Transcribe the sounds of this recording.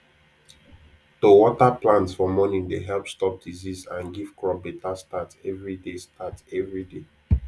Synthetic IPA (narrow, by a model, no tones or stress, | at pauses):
towɔtaplãnsfɔmɔnĩŋdeɦɛlpstɔp̚dizizãnɡiv̥kɹɔp̚betastatɛvɹidestatɛvɹide